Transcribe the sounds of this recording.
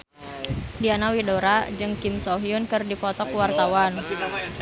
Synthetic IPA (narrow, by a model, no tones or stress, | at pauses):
dianawidoɾad͡ʒɨŋkɪmsoɦiunkɨrdipɔt̪ɔkuwart̪awan